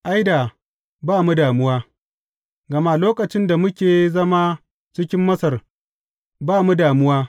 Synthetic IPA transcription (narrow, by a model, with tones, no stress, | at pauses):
ʔa˦jda˨ | baː˦˨mu˦daː˨mʊ˦waː˦ | ɡɐ˨ma˦loː˦kʼɐ˨t͡ʃɪ˦nda˨mʊ˦kʲeː˨zɐ˦maː˦ | t͡ʃɪ˦kʲɪ˦mːɐ˦sɐ˨r | baː˦˨mu˦daː˨mʊ˦waː˦